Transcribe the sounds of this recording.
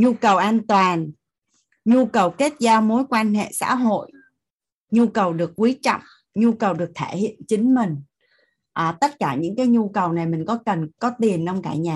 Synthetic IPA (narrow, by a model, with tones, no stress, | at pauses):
ɲu˧kə˨˩wʔaː˧nt̪waː˨˩n | ɲu˧kə˨˩wke˦˥t̚zaː˧mo˨˦jkwaː˧nɦḛ˧˨sa̰ː˧˥ɦo̰˧˨j | ɲu˧kə˨˩wɗɨ˨˩ək̚ːwi˨˦t͡ɕɔ̰˧˨wŋ͡m | ɲu˧kə˨˩wɗɨ˨˩ək̚t̪ʰe˧˩hḭ˧˨ənt͡ɕï˨˦ŋ̟mï˨˩ŋ̟ | ʔaː˨˩t̪ə˦˥t̚kaː˧˩ɲɨ̰˧˥ŋkaː˨˦jɲu˧kə˨˩wna˨˩jmï˨˩ŋ̟kɔ˨˦kə˨˩nkɔ˨˦t̪i˨˩ənɗɔ˧wŋ͡mkaː˧˩ɲaː˨˩